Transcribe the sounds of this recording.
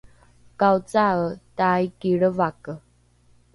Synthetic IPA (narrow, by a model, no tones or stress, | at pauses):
kawt͡saətajkiɭəvakə